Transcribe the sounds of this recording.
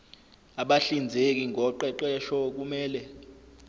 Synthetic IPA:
aɓaɬind͡zʱek̬iŋʱɔǃɛǃɛʃɔk̬umɛːlɛ

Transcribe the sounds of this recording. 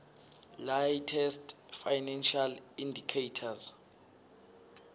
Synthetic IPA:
lajtʰɛstfajnɛnʃalindʱikʰejtʰaz

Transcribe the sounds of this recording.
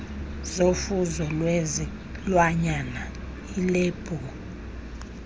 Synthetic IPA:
zofuzɔlwɛz | lwaɲana | ilɛb̥ʱɔ

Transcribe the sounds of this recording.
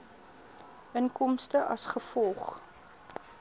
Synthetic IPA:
ʔənkɔmstəʔɐsχəfɔlˠχ

